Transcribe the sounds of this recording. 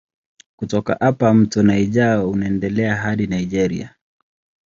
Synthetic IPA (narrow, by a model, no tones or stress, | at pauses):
kutɔka̰ʔapam̩tuɔnaiʄaunaɛndɛlɛaɦaɗinaiʄɛɾḭa̰